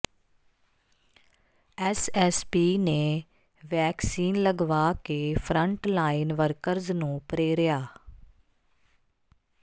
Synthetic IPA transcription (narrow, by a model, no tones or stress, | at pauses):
ɛsɛspiːneː | ʋɛːksiːnləɡʋaːkeːpʰɾəɳʈlaːinʋəɾkəɾznũːpəɾeːɾɪjaː